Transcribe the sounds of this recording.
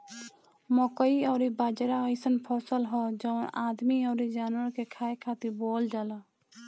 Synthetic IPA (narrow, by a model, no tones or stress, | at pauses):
mɔkəiɔːɾibaːd͡ʒɾaəɪsənpʰɔːsəlɦɔːd͡ʒɔːnaːd̪miɔːɾid͡ʒaːnwəɾkekʰaːekʰaːt̪iboːld͡ʒaːlaː